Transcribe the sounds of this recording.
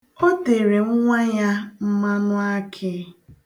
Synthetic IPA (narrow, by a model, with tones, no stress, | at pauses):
ɔ˦te˨ɾe˨ŋʊ˦ŋʷa˦ja˦m̩˦ma˦nʊ˦a˦kʰɪ˦